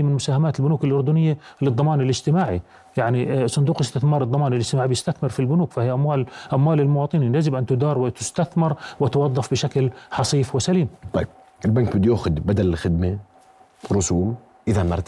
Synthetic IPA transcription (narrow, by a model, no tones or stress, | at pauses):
mɪnmʊsaːhamaːt̪ɪlbʊnuːkɪlʔʊɾd̪ʊnɪjːalɨd̪ˤːɑmɑːnɪlɪd͡ʒt̪ɪmaːʕi | jaʕnisˤʊnd̪uːqɪst̪ɪθmɑːɾˤɨd̪ˤːɑmɑːnɪlʔɪd͡ʒt̪ɪmaːʕibjɪst̪aθmɪɾfilbʊnuːkfahɪjːʔamwaːlʔamwaːlɪlmʊwɑːt̪ˤɨninjazɪbʔant̪ʊd̪ɑːɾˤwɪt̪ʊst̪aθmɪɾˤwɪt̪wɑðˤːɑfbɪʃaklħɑsˤiːfwɪsaliːmt̪ˤɑjb̚ | ʔɪlbaŋk̚bɪd̪juːxʊd̪bad̪allxɪd̪ma | ɾʊsuːm | ʔɪðanɑɾˤt̪